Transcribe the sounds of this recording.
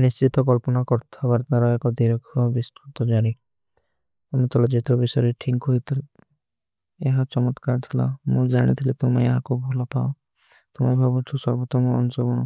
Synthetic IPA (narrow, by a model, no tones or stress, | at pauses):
nist͡ʃit̪ɔkɔlpɔnakɔɾt̪ʰabaɾt̪aɾɔekɔd̪iɾɔkʰɔbist̪ut̪ɔd͡ʒaɽ̃i | t̪ɔmɔt̪ʰɔlad͡ʒet̪ɾɔbisɔɾeʈʰikɦoit̪ʰil | eɦat͡ʃɔmɔt̪kaɾt̪ʰila̰mud͡ʒaɽ̃ḭt̪ʰilet̪omaeɦakubʱɔlɔpaõ | t̪umabʱɔbɔt͡ʃʰusɔɾbɔt̪ɔmɔɔ̰nusɔɡɔɽ̃ɔ